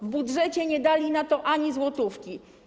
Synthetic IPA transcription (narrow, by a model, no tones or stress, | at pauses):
vbudʐɛt͡ɕɛɲɛd̪alʲinat̪ɔʔaɲizwɔt̪ufkʲi